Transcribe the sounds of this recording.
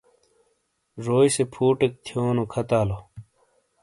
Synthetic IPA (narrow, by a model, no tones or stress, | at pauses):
ʐoːjsepʰuːʈek̚t̪ʰjoːnokʰɐt̪aːlo